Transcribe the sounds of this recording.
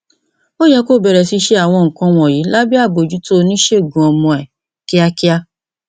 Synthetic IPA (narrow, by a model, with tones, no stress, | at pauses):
o˦jɛ˧ko˦˨bɛ˨ɾɛ˨si˧ʃe˦a˦˨w̃ɔ̃˧˨ŋ̩˨kã˧w̃ɔ̃˨ji˨˦la˦bi˦a˦˨bo˨d͡ʒu˨˦to˦˧nĩ˦ʃe˦˨ɡũ˨ɔ˧mɔ̃˧ɛ˨ | ki˦a˧ki˦a˧